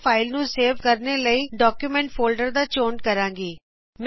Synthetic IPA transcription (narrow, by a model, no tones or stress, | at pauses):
pʰaːɪlnũːseːʋkəɾneːləiːɖɔːkjuːmɛ̃ːɳʈfʰoːlɖəɾd̪aːt͡ʃoːnkəɾãːŋɡiː | m